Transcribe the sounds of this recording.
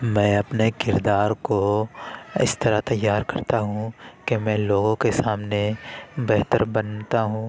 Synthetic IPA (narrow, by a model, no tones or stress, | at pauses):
mɛ̃ːɐpnekɪɾd̪aːɾko | ɪ̰st̪ɐɾat̪ɐjːaːɾkɐɾt̪aɦũkemɛ̃ːloːɡõkesaːmnebɛɦt̪əɾbɐnt̪aɦũː